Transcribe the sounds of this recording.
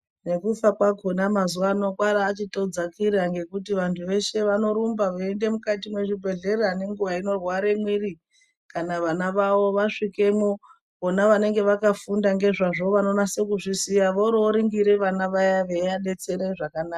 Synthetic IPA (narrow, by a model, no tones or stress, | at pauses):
ne̞kufakwaɡʱonamazuano̞kwaɾaːt͡ʃitod͡zakiɾaŋɡe̞kutiʋantʰuʋe̞ʃe̞ʋano̞ɾumbaʋoende̞mukatimwe̞ʐibʱe̞ɮe̞rane̞ŋɡuʋaino̞rwaɾe̞mwiri | kanaʋanaʋaʋo̞ʋaʂike̞mo | onaʋane̞ŋɡe̞ʋakafundaŋɡe̞ʐaʐo̞ʋano̞nase̞kuʐisijaʋoɾoɾiŋɡiɾe̞ʋanaʋajaʋejaɗe̞t͡se̞ɾeʐakanaːka